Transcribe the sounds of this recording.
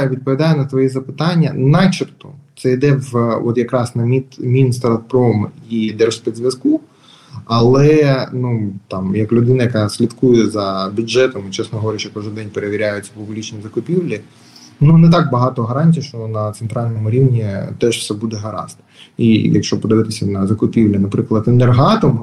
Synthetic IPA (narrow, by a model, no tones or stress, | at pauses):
ʋʲid̪̚pɔʋʲid̪ɑjɛnɐt̪ʋɔjɛzɐpɪt̪ɑnʲːɐ̰nɑt͡ʃirt̪ɔt̪sɛid̪ɛʋɔt̪jɐkɾɑsnɐmʲit̪mʲinst̪ɾɐt̪pɾɔmid̪ɛɾɔspɛd̪ʲzʲʋjɐsku | ɐlˠɛnut̪ɑmjɐklʲʊd̪ɪnɐjɐkɑsʲlʲid̪kujɛzɐbʲʊdd͡ʒɛt̪ɔmɪt͡ʃɛsnɔɦɔʋɔɾʲɪʃt͡ʃɔkɔʒɪd̪ɛnʲpeɾeʋʲiɾʲajʊt͡sʲːɐpʊblʲit͡ʃnizɐkʊpʲiwlʲi | nunɛt̪ɑk̚bɐɦɑt̪ɔɦɐɾɑnʲtʲijʃt͡ʃɔnɐt̪sent̪ɾɑlʲnɔmʊɾʲiwnʲit̪ɛʒwsɛbud̪ɛɦɐɾɑ̰st̪ | ijɐ̰kʃt͡ʃɔpɔd̪eʋɪt̪ɪsʲɐnɐzɐkʊpʲiwlʲinɐpɾɪklˠɐt̪ɪnerɦɑt̪ɔm